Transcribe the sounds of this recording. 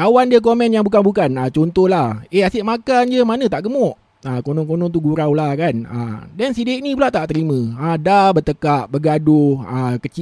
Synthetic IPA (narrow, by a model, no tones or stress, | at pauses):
kawandiək̬omɛ̃njaŋbuk̬anbukanat͡ʃɔnt̪ohlaheasɪʔmakand͡ʒəmanə̃t̪aʔɡəmɔʔ | akonɔŋkonɔŋt̪̬uɡuɾawlahkanə̰dɛnsideʔnĩp̬ulat̪aʔt̪əɾimə̃adabət̪əkaʔbəɡadoəkət͡ʃi